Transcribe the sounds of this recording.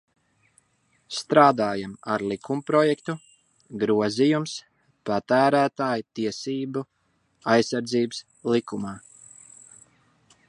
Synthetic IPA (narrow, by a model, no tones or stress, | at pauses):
st̪ɾaːd̪aːjama̰ɾlˠikʰumpɾɔjɛkt̪u | ɡɾuɔzijums | pat̪æːɾæːt̪aːjt̪iɛsiːbu | ajsːaɾd̪ziːbs | lˠikumaː